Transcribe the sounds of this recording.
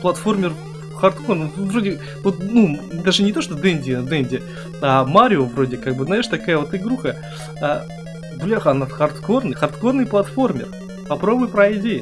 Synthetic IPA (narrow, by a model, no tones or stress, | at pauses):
plˠɐt̪fo̞rmʲɪr | xɐrt̪kornvɾodʲɪ | vut̪̚nud̪aʐɨnʲɪt̪o̞ʂt̪od̪ɛnʲdʲɪd̪ɛnʲdʲɪ | amaɾʲɪovɾo̞dʲɪkaɡ̚bɨznajɪʂt̪ɐkajəvo̞t̪ɨɡɾuxə | a | blʲaxɐnat̪xɐrt̪ko̞rnɨxɐrt̪ko̞rnɨjplˠɐt̪fo̞rmʲɪ̰r | pɐpɾo̞bʊjpɾɐɪdʲejɪ